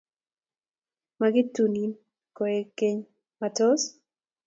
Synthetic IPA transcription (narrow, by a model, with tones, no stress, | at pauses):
maɡɪ˦tu˨ni˨n | kɔ˨e˦ke˦ɲ | mato˦s